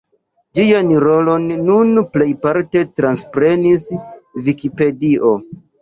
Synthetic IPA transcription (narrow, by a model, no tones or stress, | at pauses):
d͡ʒijanɾo̞lo̞nːunple̞jpaɾte̞tɾanspɾe̞nisvikipe̞diʔo̞